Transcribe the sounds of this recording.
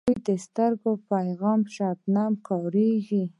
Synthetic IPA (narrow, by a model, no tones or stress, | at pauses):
jd̪əst̪əɾɡopajɣɑmʃat̪namkɑɾeɡi